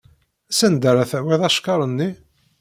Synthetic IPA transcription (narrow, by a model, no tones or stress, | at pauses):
æsænd̪əɾæθæwiðˤɑʃkɑɾˤənːi